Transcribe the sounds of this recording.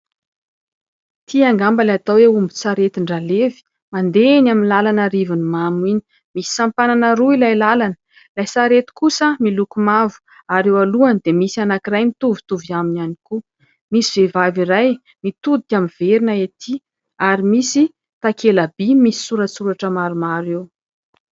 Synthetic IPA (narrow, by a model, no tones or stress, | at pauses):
t̪ʰiaŋɡambalat̪aweumbit͡saɾet̪iɳɖ͡ʐalevi̥ | mand̪enaminlalanaɾivunimamini̥ | misi̥sampananəɾuilajlalanə̥ | lajsaɾet̪u̥kusəmilukumavu̥ | aɾewaluanid̪emisianakiɾajmit̪uvi̥t̪uviaminaniku | misivevaviɾaj | mit̪ud̪ikʲaminveɾinaet̪ʰi | aɾimisi | t̪akʰelabimisi̥suɾəsuɾaʈ͡ʂəmaɾumaɾew